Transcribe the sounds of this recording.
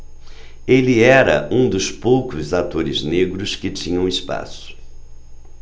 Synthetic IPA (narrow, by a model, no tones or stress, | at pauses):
elɪɛɾɐ̰ʔũd̪ʊspowkʊzat̪oɾɪzneɡɾʊskɪt͡ʃĩɲɐ̃w̃ɪspa̰sʊ̥